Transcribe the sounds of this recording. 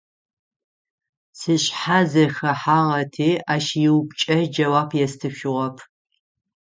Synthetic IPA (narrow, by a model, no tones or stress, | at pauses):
sɨɕħazɐxɐħaːʁɐtʰeːʔaːʃjɪwpt͡ʃʼɐd͡ʒɐwaːpʰjɛstʰɨʃɪʁɐpʰ